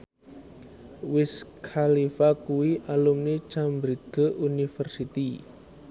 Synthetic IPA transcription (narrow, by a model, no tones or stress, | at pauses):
wɪskʰalifakuwiʔalumnit͡ʃambɾiɡ̥əʔunifərsit̪i